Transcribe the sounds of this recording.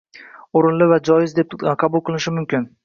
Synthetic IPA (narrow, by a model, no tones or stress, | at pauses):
ʊɾɪnlɪvad͡ʒɒjɪzd̪e̞p̚qʰɑbʊlˠqʰɨlˠɪʃɪmʊmkʲɪn